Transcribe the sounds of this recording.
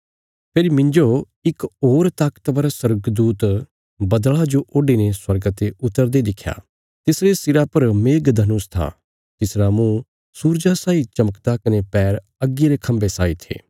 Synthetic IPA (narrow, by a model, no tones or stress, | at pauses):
pʰeɾimɪ̃ɲd͡ʒo | ɪkoːɾt̪aːkə̥t̪ʋəɾasɐɾɡd̪uːt̪ | bɐd̪ɭad͡ʒoʔoːɖineswɐɾɡət̪eʔʊt̪ːəɾd̪ed̪ɪkʰːja̰ː | t̪ɪsɾest̪ɪɾapɐɾmeːɡd̪ʱɐnʊst̪ʰa̰ | t̪ɪsɾamũ | suːɾd͡ʒasaːit͡ʃɐməkt̪akɐnepɛːɾ | ɐɡːiɾekʰɐ̃mbesaːit̪ʰḛː